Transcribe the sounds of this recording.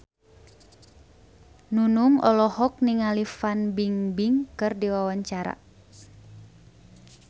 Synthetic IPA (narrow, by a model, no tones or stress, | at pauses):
nunuŋɔlɔhɔk̚niŋalifanbiŋbiŋkɨrdiwawaɲt͡ʃaɾa̰